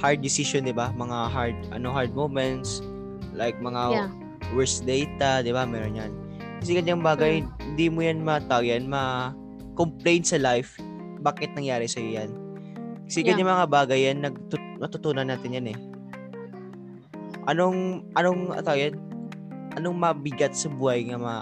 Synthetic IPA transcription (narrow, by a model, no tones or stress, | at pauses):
haɹd̪̚ːɪsiʃond̪ɪbamɐŋaɦaɹd̪̚ʔɐ̰noɦaɹd̪̚mowmɛnt̪s | lajk̚mɐŋa | wɛɹsd̪ejt̪ɐd̪ɪbamɛːɾonjan | kɐsɛkɐɲːaŋbaːɡɐjhɪnd̪imojanmɐt̪awjanmɐ | komplejnsɐlajf | baːkɛt̪̚nɐŋjaːɾɪsɐjojan | kɐsɛɡɐɲɲːaŋmɐŋabaːɡɐjanːɐɡ̚t̪ʊ | mɐt̪ʊt̪uːnɐnaːt̪ɪnjanɛ | ʔɐno̞ŋʔɐnoŋɐ̰t̪awjan | ʔɐnoŋmɐbɪɡat̪̚sɐbuːhɐjŋɐmɐ